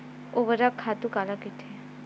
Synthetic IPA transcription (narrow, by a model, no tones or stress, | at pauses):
oʋəɾakʰaːt̪ukaːlakɪt̪ʰe